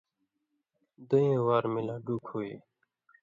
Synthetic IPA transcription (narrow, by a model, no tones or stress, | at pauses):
d̪uẽːwaːɾmɪlaːɖuːkʰhoːiː